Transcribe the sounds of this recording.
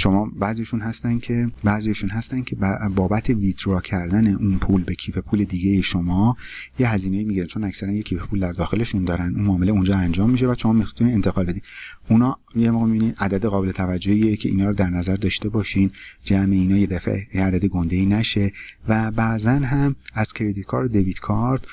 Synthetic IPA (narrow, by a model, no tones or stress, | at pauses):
ʃo̞mɒːbæːzijɛʃunhæst̪ænd̪cʰe̞bæːzijɒʃunɦæst̪æn̥cʰe̞bbɒːbæt̪ʰe̞vit̪ʰɾɒːcʰæɾd̪æne̞ʔunpʰuːlbe̞cʰiːfe̞pʰuːle̞d̪iːɟejeʃomɒː | jeɦæziːnejiːmiɟiɾænt͡ʃʰo̞næcsæɾænjecʰiːfepʰuːld̪æɾd̪ɒːxe̞le̞ʃund̪ɒːɾænd̪unmɒːmeleund͡ʒɒːænd͡ʒɒːmːiʃ̬evæd̪ʃo̞mɒːmixt̪ʰunient̪ʰe̞ɣɒːlbed̪iːnunɒːjemoɣemibinid̪æd̪æd̪eɣɒːbe̞le̞t̪ʰævæd͡ʒːohiːecʰe̞ʔḭːnɒːɾd̪æɾnæzæɾd̪ɒːʃt̪e̞bɒːʃind͡ʒæmeiːnɒːjed̪æfḛjeæd̪æd̪eɡond̪e̞iːnæʃe̞væbæzænɦæmæz̥cʰeɾed̪it̪kʰɒːɾd̪d̪evit̪kʰɒɾd̪̥